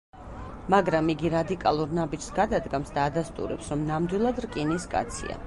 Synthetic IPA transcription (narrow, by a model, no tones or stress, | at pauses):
maɡɾamiɡiɾad̪ikʼalˠuɾnabid͡ʒsɡad̪ad̪ɡamsd̪aːd̪ast̪ʼṵɾɛpsɾɔmnamd̪wilˠad̪ɾkʼiniskʼa̰t̪sʰḭa̰